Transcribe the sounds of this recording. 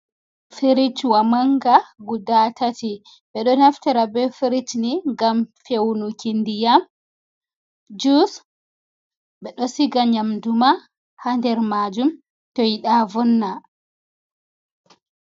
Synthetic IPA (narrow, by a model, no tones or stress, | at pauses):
feɾit͡ʃwamaŋɡaɡudatati | ɓɛɗɔnaftaɾabɛfeɾit͡ʃniŋɡamfewnukindijam | d͡ʒus | ɓɛɗɔsiɡaɲamduma | handɛɾmad͡ʒum | tɔjiɗavɔnːa